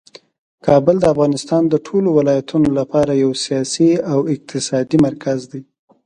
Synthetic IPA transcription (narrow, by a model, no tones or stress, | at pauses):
kʰɑbəld̪əafɣɑnɪst̪ɑnd̪əʈʰolowɪlɑjat̪ʰunolapɑɾajawsijɑsiawɪq̚t̪ʰɪsɑd̪imaɾkʰazd̪aj